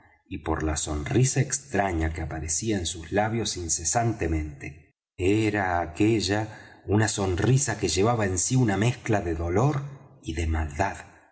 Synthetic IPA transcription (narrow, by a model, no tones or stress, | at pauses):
ipo̞̰ɾlaso̞nrisaekst̪ɾaɲakeapaɾesiaensuslaβjo̞sinse̞sant̪e̞mẽ̞nt̪e | eɾaːkeʒaunaso̞nrisake̞ʒe̞βaβae̞nsiuname̞sklaðeðo̞lo̞ɾiðemald̪að